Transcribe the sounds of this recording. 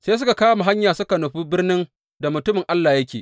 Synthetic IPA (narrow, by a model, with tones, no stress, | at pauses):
seː˦s̬ʊ˦ka˨kaː˦wma˨ɦa˦ɲjaː˨sʊ˦ka˨nu˨ɸuː˦bɪ˦rnɪ˦n | da˨mʊ˨tʊ˦mɪ˨ŋʔa˦lːaː˨jɐ˦kʲeː˨ʔ